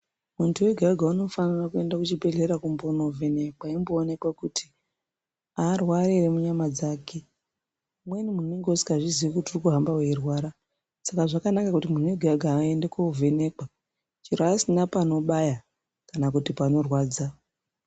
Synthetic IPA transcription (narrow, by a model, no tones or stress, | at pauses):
muntuweɡʱaɡʱauno̞fanirakue̞ndakut͡ʃibʱe̞ɮeɾakumbono̞vʱe̞ne̞kwaimbo̞ːne̞kwakutʰi̥ | arwaɾeremuɲamad͡zake̞ | mwenimunweŋɡosi̥kaʐiziʋekutiurikuɦambaweirwaːɾa | sakaʐakanakakutimun̤weɡʱaɡʱaːendekwakuvʱe̞ne̞kwa | t͡ʃiɾasinapano̞ɓaja | kanakutipano̞rwaːd͡za